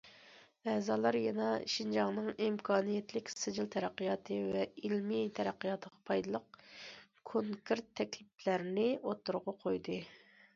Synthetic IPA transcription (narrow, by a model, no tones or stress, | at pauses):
ɛːzɑlˠɑɾjɛnɑʃind͡ʒɑŋnɨŋimkʰɑːnijɛt̪lɪkʲsɨd͡ʒilˠt̪ʰɛɾæqːijɑːt̪ʰɨvɛilmit̪ʰɛɾæqːijɑːt̪ʰəʁɑpʰɑjd̪ɨlˠəq̚ | kʰoŋkʰeɾt̪ʰːɛkʲlɪplæɾnɪot̪ːuɾʁɑqʰojd̪ɨ